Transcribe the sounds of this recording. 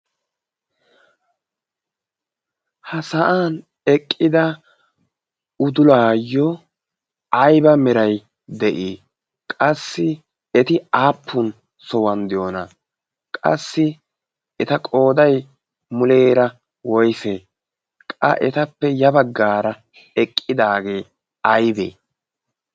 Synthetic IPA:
hɐsɐʔaːn | ɛkʼːɪd̪ɐ | ʊd̪ʊlaːjɔ | ɐjbɐmɛɾɐj | d̪ɛʔiː | kʼɐsːɪ | ɛt̪ɪaːpʰːʊn | sɔwɐnd̪ɪjoːnɐ | kʼɐ̰sːɪ | ɛt̪ɐkʼo̞ːd̪ɐj | mʊle̞ːɾɐ | wɔjse | kʼɐ̰ʔɛt̪ɐpːɛjɐbɐɡːaːɾɐ | ɛkʼːɪd̪aːɡe̞ː | ɐjbḛː

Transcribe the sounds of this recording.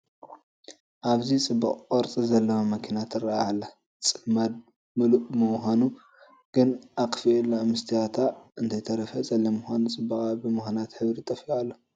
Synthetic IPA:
ʔaβzit͡sʼɨbːɐχʼkʼoɾt͡sʼizɐlːɐwɐmɐkʰinat̪ʰɨrːajalːa | t͡sʼɨfmad̪̚ | mɨluʔmɨmxanu | ɡ̥ɨnʔakʼfielːamɨst̪ʰijat̪ʰaɨnt̪ʰɐjt̪ʰɐɾɐfɐt͡sʼɐlːimɨxʷanut͡sʼɨbːɐkʼabimɨxɐnat̪ħɨβɾit̪ʼɐfialːo

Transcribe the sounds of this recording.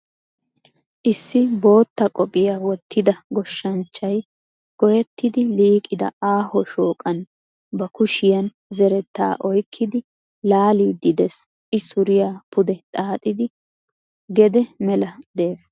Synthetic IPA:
ʔɪsːɪbo̞ːt̪ːɐkʼɔpʼɪjawɔt̪ʰːɪd̪ɐɡɔʃːɐnt͡ʃːɐj | ɡ̥ɔjɛt̪ːɪd̪ɪliːkʼɪd̪ɐ̰aːhɔʃoːkʼɐn | bɐkʊʃɪjɐn | zɛɾɛt̪ːa̰ːʔɔjkʰːɪd̪ɪ | laːliːd̪ɪd̪ɛs | ʔɪsʊɾɪjapʊd̪ɛt̪ʼaːt̪ʼɪd̪ɪ | ɡɛd̪ɛmɛlɐd̪e̞ːs

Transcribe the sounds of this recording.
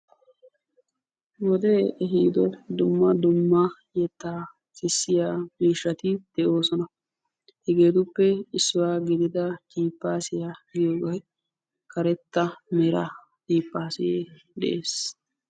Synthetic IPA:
wɔd̪ɛɛɦiːd̪ɔd̪ʊmːɐd̪ʊmːɐ | jɛt̪ːaː | sɪsːɪjaːmiːʃːɐt̪ɪd̪̥ɛʔo̞ːsɔnɐ | hɛɡe̞ːt̪ʊpːɛɪsːʊwaːɡɪd̪ɪd̪ɐtiːpːaːsɪjajoːɡɔ | kɐɾɛt̪ːɐmɛɾɐ | t̪iːpːaːsɪjeː | d̪ɛ̰ʔeːs

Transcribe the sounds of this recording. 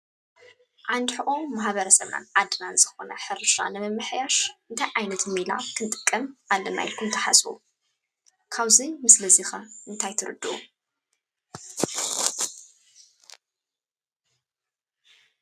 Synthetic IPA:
ʕand̪ħɨʔʼomaħβɐɾɐsɐβna̰nʕad̪ɨnanzɨxonɐħɨɾʃa̰nɨmɐmːɨħjaʃɨnt̪ʰajʕajnɐt̪mila̰kʰɨnt̪ʼɨkʼːɐmʔalːɐna̰jɪlkʰumt̪ʰɐħa̰sṵ | kʰaβzimɨslɐzixɐɨnt̪ʰajt̪ʰɨɾɨ̰d̪ːɨʔṵ

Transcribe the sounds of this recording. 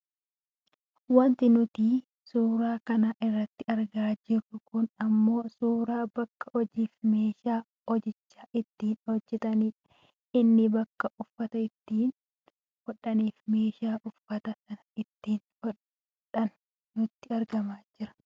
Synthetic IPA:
wɐnt̪ɪnʊt̪iː | suːɾaːkɐnaʔɪrːɐt̪ːɪɐɾɡaːd͡ʒɪɾːʊkʊnɐmːo̞ːsuːɾaːbɐkːɐ̥hɔd͡ʒiːfme̞ːʃaː | hɔd͡ʒɪt͡ʃːaːʔɪt̪ːiːnhɔd͡ʒːɛt̪ɐniːᶑ | ɪnːɪbɐkːɐʔʊfːɐt̪ɐɪt̪ːiːn | hɔᶑɐniːfme̞ːʃaːʔʊfːɐt̪ɐsɐnɐɪt̪ːiːnhɔ | ᶑɐn | nʊt̪ːɪɐɾɡɐmaːd͡ʒɪɾɐ̥

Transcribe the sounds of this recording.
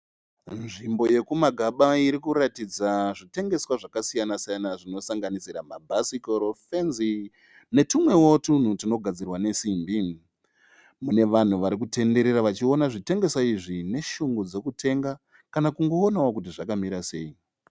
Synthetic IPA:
nʐimbo̞je̞kumaɡʱaɓaiɾikuɾatid͡zaʐite̞ŋɡe̞swaʐakasijanasijanaʐino̞saŋɡanisiɾamabʱasikoɾofenzi | ne̞tumwe̞wotun̤utino̞ɡʱad͡zirwane̞simbi | mune̞ʋan̤uʋaɾik̬ute̞nde̞ɾe̞ɾaʋat͡ʃio̞naʐite̞ŋɡe̞saiʐine̞ʃuŋɡod͡ze̞kutʰe̞ŋɡa | kanakuŋɡo̞ːnawokut̬iʐakamiɾase̞̰ːi

